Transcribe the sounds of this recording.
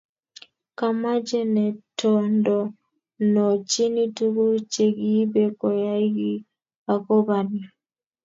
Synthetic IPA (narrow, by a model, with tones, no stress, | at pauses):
ka˨ma˦d͡ʒɛ˦nɛ˨tʰɔndɔ˨ | nɔ˨t͡ʃi˦ni˦tu˦ɡu˦t͡ʃe˨ɡi˦bɛ˦kɔ˨ja˦i˦ɡi˦ | a˨kɔ˦βa˨na˨